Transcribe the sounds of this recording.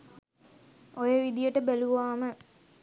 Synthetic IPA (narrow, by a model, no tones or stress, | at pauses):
ojəʋid̪ijəʈəbæluʋaːmə